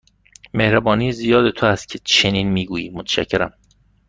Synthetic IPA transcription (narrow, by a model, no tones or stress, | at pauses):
mehɾæbɒːniːzijɒːd̪e̞t̪ʰoæst̪̚cʰe̞t͡ʃʰeniːnmiːɡuːjiːmot̪ʰæ̥ʃæ̰cʰːe̞ɾæ̰m